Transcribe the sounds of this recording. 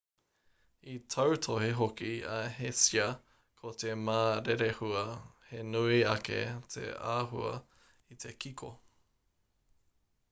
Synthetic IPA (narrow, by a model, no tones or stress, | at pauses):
itʰɐwt̪ʰoheɦokiɐɦesiɐ | kʰot̪ʰemaːɾeɾehuɐhenuiɐkḛt̪ʰḛa̰ːɦṵɐ̰ | itʰekikʰo̰